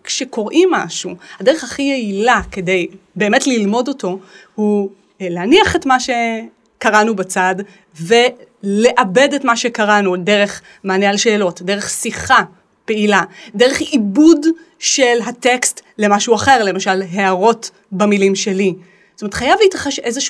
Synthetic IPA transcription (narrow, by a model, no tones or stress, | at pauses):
kʃeko̞ʁʔimːaʃuhadeʁeχaχijeilake̞de̞j | be̞ːmetlilmo̞do̞to̞ | hu | leaniaχetmaʃe̞ | kaʁanubat͡sad | ve̞le̞ʔabe̞detmaʃekaʁanudeʁe̞χ | maːnealʃe̞ːlo̞tde̞ʁeχsiχa | pe̞iladeʁ̞eχibud | ʃe̞lɦate̞kstle̞maʃuaχe̞ʁle̞maʃalɦeaʁo̞t | bamilimʃe̞li | stomeet̪χajavliitʁaχeʃe̞zeʃ